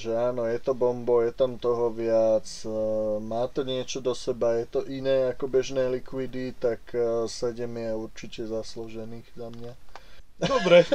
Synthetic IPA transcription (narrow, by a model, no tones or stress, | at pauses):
ʒɛaːnɔjɛt̪ɔbɔmbɔjɛt̪amt̪ɔɦɔʋɪat͡s | maːt̪ɔɲɪɛt͡ʃɔd̪ɔsɛbajɛt̪ɔʔinɛːakɔbɛʒnɛːlikʋid̪it̪aksɛɟɛmiauɾt͡ʃicɛzaslɔʒɛniːɣzamɲa | ɔbɾɛ